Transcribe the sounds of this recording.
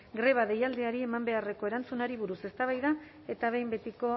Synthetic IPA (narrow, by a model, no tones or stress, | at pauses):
ɡɾe̞β̞aðe̞jald̪eaɾie̞mambe̞are̞ko̞e̞ɾant͡sunaɾiβ̞uɾuse̞st̪aβ̞ajða | e̞t̪aβ̞e̞jmbe̞t̪iko̞